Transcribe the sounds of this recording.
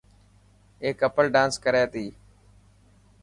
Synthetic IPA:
eːkəpəlɖãːnskəɾeːt̪iː

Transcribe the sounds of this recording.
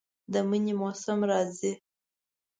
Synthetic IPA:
d̪əməɲimosamɾɑzi

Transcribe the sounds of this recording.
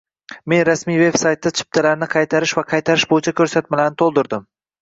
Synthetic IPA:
me̞nɾasmijve̞bsajt̪ːat͡ʃʰɪ̥p̚t̪ʰalaɾnɪqʰɑjt̪ʰaɾɪʃvaqʰɑjt̪ʰaɾɪʃbojɪt͡ʃʰakʲʰɵɾsat̪̚malaɾnɪt̪ʰolˠd̪ʊɾd̪ɪm

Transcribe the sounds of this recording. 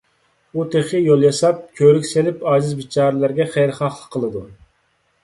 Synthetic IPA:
ut̪ʰeχɨjolˠjɑsɑp̚kʲʰøɾykʲselɪpɑːzɨzbit͡ʃʰɑːɾɨlæɾɡʲɛχɛjɾχɑχlˠəqʰːəlˠɨd̪u

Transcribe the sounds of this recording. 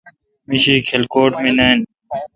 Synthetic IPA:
miɕiːkʰelkoːʈmĩnan

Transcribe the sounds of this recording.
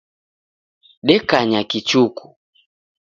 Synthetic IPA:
ɗɛkaɲakit͡ʃuku̥

